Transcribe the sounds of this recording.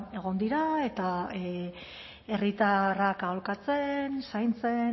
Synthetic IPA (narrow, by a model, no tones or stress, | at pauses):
e̞ɣ̞o̞nd̪iɾae̞t̪a | e̞rit̪arakaolkat͡se̞nsajnt͡se̞